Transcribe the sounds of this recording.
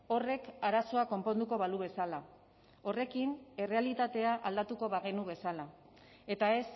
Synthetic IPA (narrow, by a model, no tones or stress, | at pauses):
o̞re̞kaɾaso̞ako̞mpo̞nd̪uko̞βaluβe̞sala | o̞re̞kine̞re̞alit̪at̪e̞aʔald̪at̪uko̞βaɣe̞nuβe̞sala | e̞t̪ae̞s